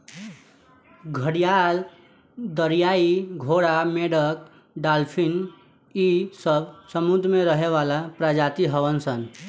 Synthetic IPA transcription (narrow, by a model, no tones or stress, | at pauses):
ɡʱəɽijal | d̪əɾijaiɡʱoɽameɽək | ɖalpʰin | isəbsəmud̪ʱɾmeɾəɦeʋalapɾad͡ʒat̪iɦəʋənsən